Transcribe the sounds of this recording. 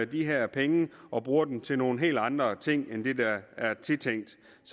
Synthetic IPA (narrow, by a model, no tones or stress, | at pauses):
æd̥iɦæɐ̰pʰeŋəʔɒ̽b̥ʁuːɐd̥emt͡sʰe̝lno̝ːn̩ɦe̝̰ːld̥ɑ̈nd̥ʁɐt͡sʰe̝ŋ̰end̥e̝d̥ɑæɐt͡sʰe̝t͡sʰeŋ̰d̥ | s